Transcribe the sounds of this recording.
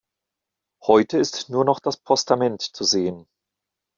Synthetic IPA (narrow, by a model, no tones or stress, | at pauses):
hɔʏtəɪstnuːɐnɔχd̥aspʰɔstamɛntt͡suzeːən